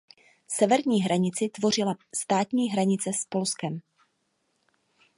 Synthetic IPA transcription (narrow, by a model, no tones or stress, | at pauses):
sɛvɛɾɲiːɦɾaɲɪt͡sɪt̪vo̞r̝ɪlast̪aːt̪ɲiːɦɾaɲɪt͡sɛspo̞lskɛm